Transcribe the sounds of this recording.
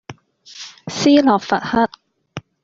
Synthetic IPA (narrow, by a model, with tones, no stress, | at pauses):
siː˥lɔː˨k̚fɐ˨t̚hɐ˥t̚